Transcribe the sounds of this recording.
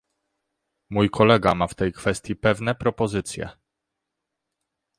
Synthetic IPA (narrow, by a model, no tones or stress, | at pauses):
mujkʰɔlɛɡamaft̪ɛjkfɛst̪jipɛvnɛpɾɔpɔzɘt̪sʲjɛ̰